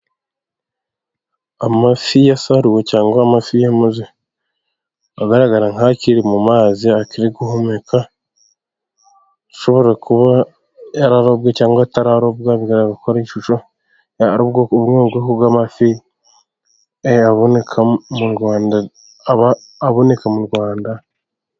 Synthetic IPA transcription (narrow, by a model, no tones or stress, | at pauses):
amafijasaɾiwecaːŋɡwaːmafijamaze | aɡaɾaɡaɾaŋaciɾimumaːziakiɾiɡuɦomeka | tu̥ʃo̞βo̞ɾakuβa | aɾaɾobɡacaːŋɡwataɾaɾobɡaβiɡaɾaɡakoɾaiʃuʃo | aɾoβɡoβuŋoβɡokuɡamafi | eaβonekʰamuɾɡaːnda | βaː | βo̞ne̞kamuɾɡaːnda